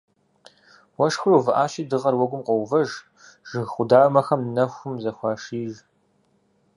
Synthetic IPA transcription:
wɐʂxrovɨʔaːɕiːdɨʁɐrwɐɡʷʊmqʷɔwvɐʒ | ʒ̥ɨɣχʷʊdaːrmɐxɐmnɐxʷʊmzɐxʷɑːʂiːʒ

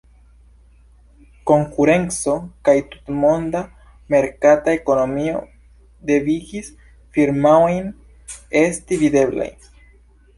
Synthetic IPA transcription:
ko̞ŋkuɾe̞nt͡so̞kajtu̥tmo̞nda | me̞ɾkatae̞ko̞no̞mio̞̰ | de̞viɡis | fiɾmaojn | e̞stivide̞bla̰j

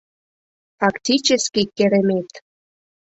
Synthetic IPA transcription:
fɑktʲit͡ɕəskʲikʲːeɾemet̪

